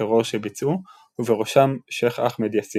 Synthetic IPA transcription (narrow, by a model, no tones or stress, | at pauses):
eʁoʁʃebit͡su | uveʁoʃamʃeχaχmed̪jasi